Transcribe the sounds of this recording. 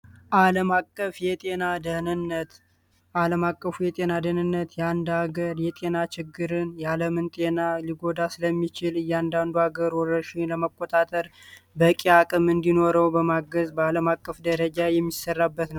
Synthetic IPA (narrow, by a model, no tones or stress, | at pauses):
ʔaləmakʼːəfjɛt̪ʼe̞nad̪ənɨnːət̪ | ʔaləmakʼːəfujɛt̪ʼe̞nad̪ənɨnːət̪jɛand̪haɡəɾjɛt̪ʼe̞nat͡ʃɪɡːɨɾɨnjaləmɨnt̪ʼe̞naliɡo̞d̪asɨləmːit͡ʃɪlɨjːɛand̪and̪uhaɡəɾwɔrəʃɪnləməkʼːot̪ʼat̪ʼəɾ | bəkʼiakʼɨmɨnd̪ino̞ɾəwbəmaɡəzbəaləmakʼːəfd̪əɾəd͡ʒajɛmːisərːabːət̪nəw